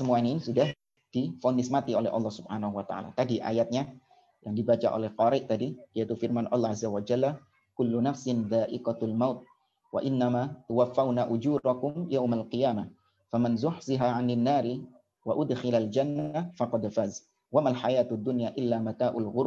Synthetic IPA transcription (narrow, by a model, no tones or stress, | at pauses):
səmuaninsudah | d̥ifonɪsmat̪iolɛ̰ʔɑ̰lːɑhsubħanahuwat̪a̰ʕa̰la̰t̪adiʔa̰jat̪̚ɲa | jaŋdibat͡ʃa̰ʔo̰lɛhqɑɾɪʔt̪adid̥iait̪ufɪrmanʔɑlˤːɑhazːawad͡ʒalːa | kʊlːʊnafsɪnðaːʔɪqalmawt̪̚ | wa̰ʔɪnːamat̪ʊwafːawnaʔʊd͡ʒuːɾakʊmjawmalqijaːma | famɪnzʊħzɪɦaʕanɪnːaːɾi | waʔʊd̪xɪlald͡ʒanːafɑqɑd̪faːz | wamalħajaːt̪ʊd̪ːʊnjaʔɪlːamak̪aːʔʊlɣʊɾ